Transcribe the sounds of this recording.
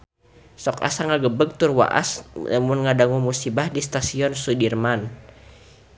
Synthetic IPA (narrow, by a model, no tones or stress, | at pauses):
sɔka̰saŋaɡəbəɡ̚t̪urwa̰ʔa̰sa̰munŋadaŋumusibahdist̪asiɔnsudirman